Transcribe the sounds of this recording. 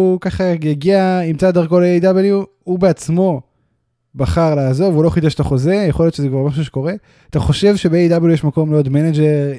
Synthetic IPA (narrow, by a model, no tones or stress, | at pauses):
ukaχajaɡiaimt͡sald̪aʁko̞leejd̪abelju | ubeat͡smo̞ | baχaʁlaːzo̞ʁvulo̞χid̪eʃat̪aχo̞zejeχoljot͡ʃʃezekvaʁmaʃ̬uʃeko̞ʁe̞ | at̪aχo̞ʃe̞vʃebeejd̪abeljujeʃmako̞mleod̪mened͡ʒeʁ